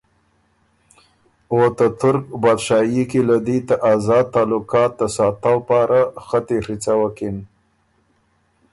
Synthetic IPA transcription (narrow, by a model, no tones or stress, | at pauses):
wot̪at̪ʊɾk̚bad̪ʃɑjikilad̪it̪aʔazɑd̪̚t̪ɑlʊkɑt̪̚d̪əsɑt̪awpɑɾaxət̪eɾit͡sawakin